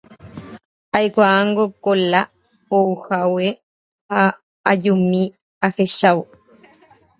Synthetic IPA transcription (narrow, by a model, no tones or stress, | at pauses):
ajkʷaaŋɡokola | ouhawe | ha | aʎumi | axeʃaw